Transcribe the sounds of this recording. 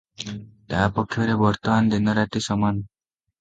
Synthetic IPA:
t̪apɔkʰːjɔɾebɔɾt̪ɔmand̪inɔɾaʈ̪isɔman

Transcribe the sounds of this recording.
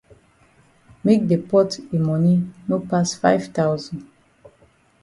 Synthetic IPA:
mek̚depɔtemɔninopasfa̰ɪvtawzɔ̃n

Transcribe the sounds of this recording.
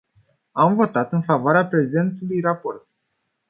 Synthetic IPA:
amvo̞t̪at̪ɨnfavoaɾeapɾe̞ze̞nt̪ulujrapo̞rt̪

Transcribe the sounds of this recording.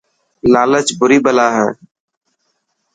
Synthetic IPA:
laːlət͡ʃbʊɾiːbəlaːɦɛ̰̃ː

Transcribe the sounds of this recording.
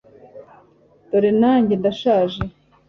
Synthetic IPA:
doɾenaːɲɟendaʃaːʒe

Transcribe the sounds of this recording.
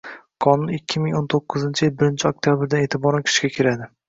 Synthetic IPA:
qʰɒnʊnɪkʲʰːɪmɪŋont̪ʰoqːɨzɪnt͡ʃʰɪjɪlbɪɾɪnt͡ʃʰɪok̚t̪ʰjabɪɾd̪anet̪ʰɪbɒɾankʲʰɪ̥ʃɪ̥ɡʲakʲʰɪɾad̪ɪ

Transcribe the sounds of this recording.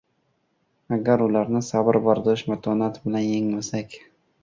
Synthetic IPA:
aɡʲaɾʊlaɾnɪsabɪɾbaɾd̪ɪɪʃmat̪ʰɒnat̪bɪlanjeŋmasakʲ

